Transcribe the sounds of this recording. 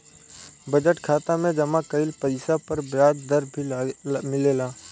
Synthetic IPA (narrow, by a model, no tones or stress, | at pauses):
bəd͡ʒəʈkʰaːt̪amẽd͡ʒɐmãkəɪlpəɪsapɐɾbɪɾaːd̪d̪əɾbʱimɪleːlaː